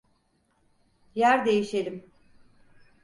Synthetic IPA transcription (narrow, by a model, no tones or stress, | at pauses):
jæɾd̪e̞jiʃe̞lʲim